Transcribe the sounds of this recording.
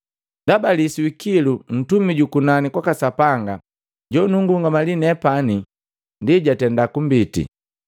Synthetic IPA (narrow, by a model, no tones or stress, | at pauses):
ndabalisiwikilun̩tumiɟukunanikwakasapaŋɡa̰ | ɟɔnuŋɡuuŋɡamalinɛpani | ndiɟatɛndakumbitḭ